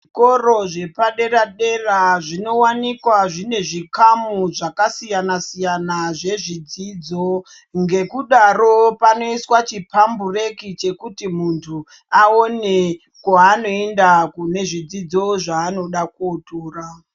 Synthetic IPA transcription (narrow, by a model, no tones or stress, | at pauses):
ʐikoro̞ʐe̞paɗe̞ɾaɗe̞raʐino̞wanikwaʐine̞ʐikamuʐakasijanasijanaʐe̞ʐid͡ziːd͡zo̞ | ŋɡe̞kuɗaro̞pano̞iswat͡ʃipambure̞kit͡ʃe̞kutimuntʰu | aone̞ | kwaːno̞e̞ndakune̞ʐid͡zid͡zo̞ʐaːno̞ɗakotoːra